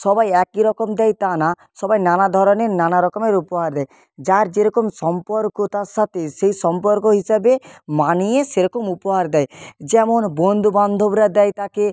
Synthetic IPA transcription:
sɔbajɛkiɾɔkɔmd̪ɛjt̪ana | sɔbajnanad̪ʱɔɾɔneɾnanaɾɔkɔmeɾupɔɦaɾd̪ɛj | d͡ʒaɾd͡ʒeɾɔkomsɔmpɔɾkɔt̪aɾsat̪esejsɔmpɔɾkoɦisabemanieseɾɔkomupɔɦaɾd̪ɛjd͡ʒɛmɔnbond̪ʱuband̪ʱobɾad̪ɛjt̪ake

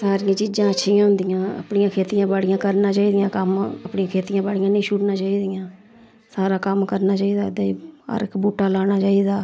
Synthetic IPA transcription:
saːɾɪjãːt͡ʃiːd͡ʒãːətːʃʰijãːɦʊ̃nd̪ijãːə̰pɳɪjãːkʰeːt̪ɪjãːbaːɽɪjãːkəɾnãːt͡ʃaːiːd̪ijãːkəməpɳĩjãːkʰeːt̪ɪjãːbaːɽɪjãːnə̃ːʃʊɽnãːt͡ʃaːiːd̪ɪjãː | saːɾaːkəmkəɾnaːt͡ʃaːiːd̪aːd̪aːiːə̰ɾɪkbuːʈaːlaːñaːt͡ʃaːiːd̪aː

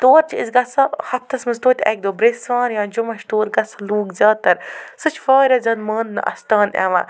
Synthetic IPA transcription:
t̪oːɾt͡ʃiizɡɐsɐhɐt̪ʰːɐsmɐst̪oːt̪ʲʰɛ̰k̚d̪oːbɾesãːɾjãːd͡ʒumɐʃt̪oːɾɡɐsɐluːkzʲɐːt̪ɐɾsɨt͡ʃʰfaːɾʲɐzɐnmɐːnd̪nɨ̰ʔɐ̰st̪aːnɛ̰ʋa̰

